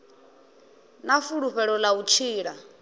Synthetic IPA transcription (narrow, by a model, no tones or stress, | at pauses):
nafuɺuɸɛɺɔlaut͡ʃʰiːɺa